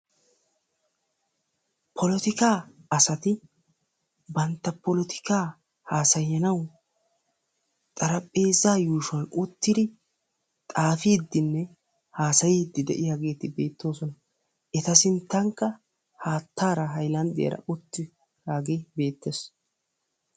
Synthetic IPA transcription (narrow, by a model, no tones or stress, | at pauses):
pʰɔlɔt̪ɪkaːɐsɐt̪ɪ | bɐnt̪ːɐpɔlɔt̪ʰɪ̥kaː | haːsɐjːɐnɐw | t̪ʼɐɾɐpʼːe̞ːzaːjuːʃɐnʊt̪ːɪd̪ɪ | t̪ʼaːfiːd̪ːɪnːɛ | haːsɐjiːd̪ːɪd̪ɛ̰ʔɪjaːɡe̞ːt̪ɪbe̞ːt̪ːo̞ːsɔnɐ | ʔɛt̪ɐsɪnt̪ːɐŋkːɐ | haːt̪ːaːɾɐɦɐjlɐnd̪ɛjɐ̰ɾɐ̰ʔʊt̪ːɪ | jaːɡebe̞ːt̪ːes